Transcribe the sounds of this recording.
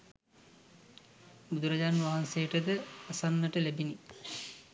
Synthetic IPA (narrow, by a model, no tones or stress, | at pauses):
bud̪uɾad͡ʑaːnʋaɦansejəʈəd̪əasanːəʈəlæbini